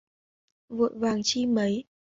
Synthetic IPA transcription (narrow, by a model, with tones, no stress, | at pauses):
vṵ˧˨jvaː˨˩ŋt͡ɕi˧mə˨˦j